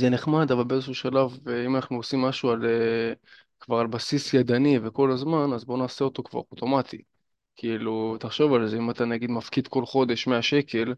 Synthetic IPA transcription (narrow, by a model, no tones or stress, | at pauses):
zeneχmad̪avalbeezeʃuʃalaveimanaχnuosimːaʃuale | kvaʁalbasisjad̪anive̞ko̞lazmanazbo̞naːseo̞t̪o̞kva̰ʁot̪o̞mat̪ʰi | kʰiilut̪aχʃo̞valzeimat̪anaɡid̪mafkid̪ko̞lχo̞d̪e̞ʃme̞aʃe̞kʰe̞l